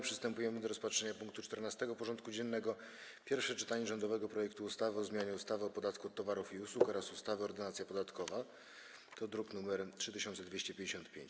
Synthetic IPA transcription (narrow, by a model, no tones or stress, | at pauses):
pʂɨst̪ɛmpujɛmɘd̪ɔɾɔspatʂɛɲapuŋk̚t̪ut͡ʂt̪ɛɾnast̪ɛɡɔpɔʐɔnt̪kud͡ʑɛnːɛɡɔ | pʲjɛɾfʂɛt͡ʂɘ̥t̪aɲɛʐɔnd̪ɔvɛɡɔpɾɔjɛkt̪uːst̪avɘɔzmʲjaɲɛust̪avɘɔpɔd̪at̪kuɔt̪ːɔvaɾufiuswukɔɾasust̪avɘɔɾd̪ɘnat̪sʲjapɔd̪at̪kɔva | t̪ɔd̪ɾuknumɛɾtʂɘt̪ɘɕɔnt̪sɛd̪vʲeɕt͡ɕɛpʲjeɲd͡ʑeɕɔ̃nt̪̚pʲjḛɲt͡ɕ